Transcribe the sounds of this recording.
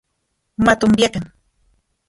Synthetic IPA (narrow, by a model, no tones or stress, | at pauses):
mat̪ʊmbjakaŋ